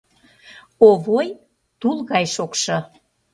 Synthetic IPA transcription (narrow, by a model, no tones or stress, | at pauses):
oβoj | t̪ulˠɣɑjʃokʃɤ̆